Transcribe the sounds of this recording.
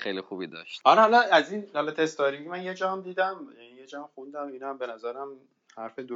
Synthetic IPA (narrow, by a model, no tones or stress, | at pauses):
xejlixubid̪ɒ̰ʃt̪hɒlɒhɒlɒæzinhɒlɒt̪ʰe̞st̪ɒɾiɡimænjed͡ʒɒːhmd̪iːd̪æmjænijed͡ʒɒːmxund̪æmiːnæmbe̞næzæɾæm | hæɾfed̪o